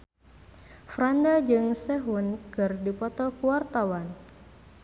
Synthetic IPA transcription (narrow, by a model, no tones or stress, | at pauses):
fɾandad͡ʒɨŋsɛɦunkɨrdipɔt̪ɔkuwart̪awan